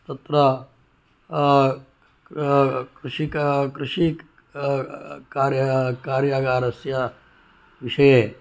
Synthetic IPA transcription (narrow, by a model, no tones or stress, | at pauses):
t̪ɐt̪ɾɐ | kɾʊʃikkɾɪʃik | kaːɾjkaːɾjaɡaːɾɐsja | ʋɪʃɐje